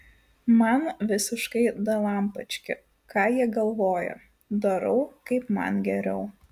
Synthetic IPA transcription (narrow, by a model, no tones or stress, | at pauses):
mɐnʋʲɪsʲɪʃkɐɪd̪ɐlˠɐmpɐt͡ʃʲkʲɪ̰ | kɑːjiɛɡɐlˠʋoːjo̰ | d̪ɐɾɐʊkɐɪpmɐ̰nɡʲɛɾʲɛʊ